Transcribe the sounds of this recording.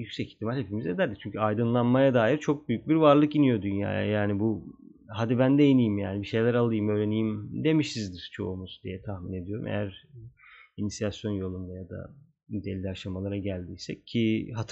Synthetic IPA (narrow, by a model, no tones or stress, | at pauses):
jycsɛci̥t̪ʰːimalʲhe̞pʰimize̞d̪æɾd̪it͡ʃʰyɲcʰyajd̪ɯnlˠanmajad̪aːjiɾt͡ʃʰo̞k̚byjyc̚biɾvaɾlˠɯkinijo̞d̪ynja̰ːja̰jaːnibu | ɦad̪ibænd̪ejinijimjaːnibiʃe̞jlʲæɾalˠɯjɯmø̞jɾe̞nijimd̪e̞miʃsizd̪iɾ̥t͡ʃʰo̞̰umuzd̪ijɛt̪ʰahmine̞d̪ijo̞ɾṵmʔḛjæɾ | inisijasjo̞njo̞lˠund̪ajad̪a̰ | yd̪e̞lʲːiaʃamalˠaɾaɟælʲd̪iːsɛ̰iɦat̪ʰ